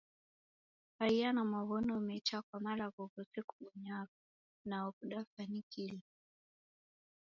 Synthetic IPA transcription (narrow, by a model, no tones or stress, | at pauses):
aianamaβɔnɔmɛt͡ʃakwamalaβɔkɔtɛkuɓɔɲakɔ | naɔkuɗafanikili